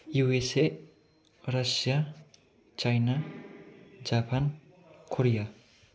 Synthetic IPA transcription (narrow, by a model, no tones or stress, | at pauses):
juese | rʌsja | t͡ʃajna | d͡zapʰan | kʰoɾija